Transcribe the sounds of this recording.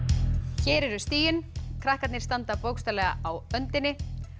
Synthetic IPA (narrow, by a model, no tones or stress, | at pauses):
çɛːɾɛɾʏst̪iːjʏnkʰɾahkat̪nɪ̥st̪ant̪apowkst̪alɛɣaawœnt̪ɪnːɪ